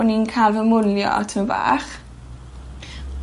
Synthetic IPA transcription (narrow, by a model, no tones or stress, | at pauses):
ninkʰalˠvəmʊljɔ̰tʰməva̰ːχ